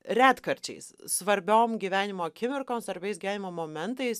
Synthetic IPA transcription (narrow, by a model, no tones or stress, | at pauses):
ɾʲæːt̪kɐɾʲt͡ʃʲɛ̰ɪssʋɐɾʲbʲoːmɡʲiːʋʲæːnʲɪmoːkʲɪmʲɪɾkoːnsʋɐɾʲbʲɛɪsɡʲːʋʲæːnʲɪmoːmoːmʲɛnt̪ɐɪs